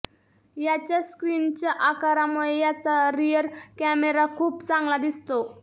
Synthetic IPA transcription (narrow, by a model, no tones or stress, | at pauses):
jat͡ɕjaskɾint͡ɕjaʔakaɾamuɭejat͡saɾijəɾkæmeɾakʰuːpt͡sãŋɡlad̪ist̪o